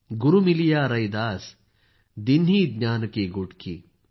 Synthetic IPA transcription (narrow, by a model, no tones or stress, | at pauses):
ɡʊɾumilijaːɾɐjd̪aːs | d̪inːiːd̪naːnkeːɡoʈkḭː